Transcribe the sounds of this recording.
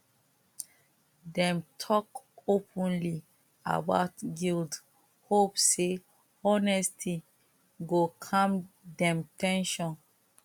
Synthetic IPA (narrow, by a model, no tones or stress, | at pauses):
dɛ̃mtʰɔkopʰɔ̃nli | a̰ba̰ʊtɡild | hopse | ɔnɛstʰi | ɡokʰãm | dɛ̃mtɛ̃nʃɔ̃n